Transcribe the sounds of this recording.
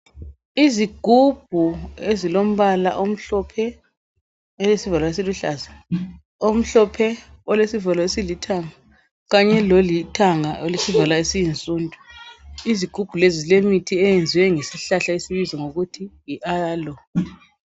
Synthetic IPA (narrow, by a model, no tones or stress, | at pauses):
iziɡ̥ʱub̥̚ʱuezilom̩βala̰ʔom̩ɬɔpʰɛ | ɛlesivalaes̬iluɬaːza | om̩ɬɔpʰɛ | ɔlesivalɔesilitʰaŋa | ɣaɲɛlolitʰaŋaʔolisivalaesijint͡sʼuːndʱʼuiziɡ̥ʱub̥ʱulezizlemitʰiɛjend͡zʱiwɛŋesiɬaɬaesiβizɔŋoɣutʰijiʔalɔ